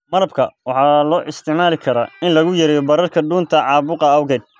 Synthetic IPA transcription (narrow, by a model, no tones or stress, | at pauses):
mɐɾɐbkʰɐwɑħɑːlɔːʔɪst̪ʰɪʕmaːlɪkʰɐɾɐɪnlɐɣʊjɐɾɛːjɔbɐɾɐrkʰɐɖuːnt̪ʰɐʕɑːβʊqɐɐwɣɛd̪̚